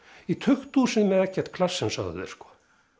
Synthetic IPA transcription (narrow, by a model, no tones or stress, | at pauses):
it̪ʰʏxt̪uːsɪnmɛðɛhcːɛɾ̥t̪kʰlasːɛnsa̰ɣðʏ̰ðɛ̰ɾ̥skɔ̥